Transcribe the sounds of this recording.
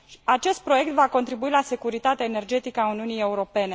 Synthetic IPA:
at͡ʃe̞st̪̚pɾo̞je̞k̚t̪vako̞nt̪ɾibuilase̞kuɾit̪at̪eaene̞rd͡ʒe̞t̪ikəauniunije̞uɾo̞pe̞ne̞

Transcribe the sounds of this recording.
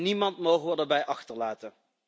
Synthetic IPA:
nimɑntmowχəʋədəɹbɛjʔɑχtəɹlaːtə

